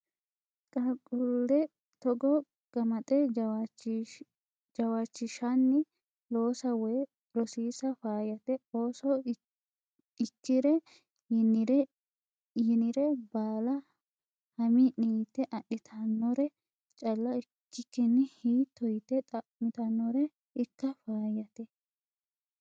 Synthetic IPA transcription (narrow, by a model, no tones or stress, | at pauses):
kʼɐkʼʊlːɛ | t̪ɔɡɔ | ɡ̥ɐmɐt̪ʼɛ | d͡ʒɐwaːt͡ʃːɪʃɐnːɪ | loːsɐwɔj | ɾɔsiːsɐfaːjɐt̪ɛoːsɔ | ɪt͡ʃːɪɾɛ | nɾ | jɪnɪɾɛbaːlɐ | hɐmɪniːt̪ːɛʔɐɗːɪt̪ʰɐnːɔɾɛ | t͡ʃʼɐlːɐɪ | t͡ʃːɪkːɪnːɪhiːt̪ːɔjt̪ːɛt̪ʼɐmɪt̪ɐnːɔɾɛ | ɪkːɐfaːjɐt̪ɛ